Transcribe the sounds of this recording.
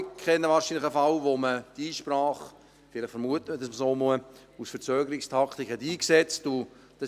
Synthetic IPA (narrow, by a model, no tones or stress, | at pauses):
kʰɛnːəʋɑːɾʃinlɪχəfɑlʋoməd̥iːʃprɑːχ | fɪlɪχfəɾmuətəmədɑsməsoːmuə | usfəɾt͡søːɡəɾɪkstʰɑkʰt̪ikhɛtiːksɛt͡stʊ | d̥ɑ